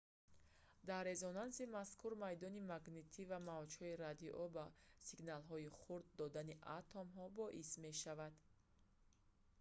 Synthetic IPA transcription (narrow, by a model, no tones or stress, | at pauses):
d̪aɾːe̞zɔnansimaskʰuɾmajd̪ɔnimaɡnet̪ʰivamavd͡ʒhɔiɾad̪iʔɔbasiɡnalɦɔiχuɾd̪̚ːɔd̪aniʔat̪ʰɔmɦɔbɔʔisme̞ʃavad̪